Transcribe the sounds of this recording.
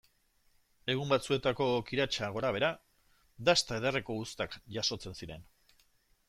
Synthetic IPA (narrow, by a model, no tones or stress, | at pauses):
e̞ɣumbat͡sue̞t̪ako̞kiɾat͡ʃaɣ̞o̞ɾaβ̞e̞ɾa | d̪ast̪aeðereko̞ust̪akʝaso̞t͡se̞nsiɾe̞n